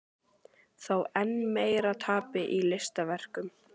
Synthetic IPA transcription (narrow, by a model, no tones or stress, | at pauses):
θawɛnːmeːjɾat̪ʰaːpɪʔilɪst̪avɛr̥kʏm